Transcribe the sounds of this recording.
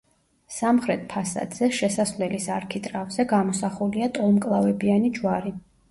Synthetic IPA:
samχɾɛt̪̚ʰpʰasa̰d̪z̥ɛʃɛsasvlɛlisaɾkʰit̪ʼɾavzɛɡamɔsaχuliat̪ʼɔlˠmkʼlˠavɛbianid͡ʒwaɾi

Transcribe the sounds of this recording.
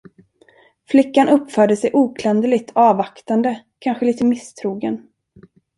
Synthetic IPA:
flɪkːanʔɵpːfœːɖəsɛjʔuːkʰlɛnd̪əlɪt̪ʰɑːvakt̪and̪ə | kʰanɧəliːt̪əmɪst̪ʰɾuːɡən

